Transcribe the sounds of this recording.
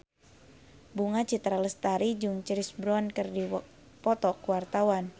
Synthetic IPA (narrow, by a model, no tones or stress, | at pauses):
buŋat͡ʃit̪ɾaləst̪aɾid͡ʒuŋt͡ʃəɾisbɾɔnkɨrdi | pɔt̪ɔkuwart̪awan